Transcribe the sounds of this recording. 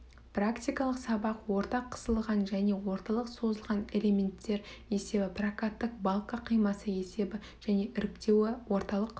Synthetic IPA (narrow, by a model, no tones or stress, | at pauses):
prakt̪ʲijkɑlˠəqsɑbɑqwo̞ɾt̪ɑqʰːə̥səlˠʁɑnʒæne̞wo̞ɾt̪ɑlˠəqso̞zəlˠʁɑne̞le̞mʲe̞nt̪ːe̞ɾe̞se̞bɪprakat̪ːəq̚bɑlˠkɑqʰijmɑsəe̞se̞bɪ | ʒ̥æne̞ʔʏɾɪkt̪e̞wɪwo̞ɾt̪ɑlˠəq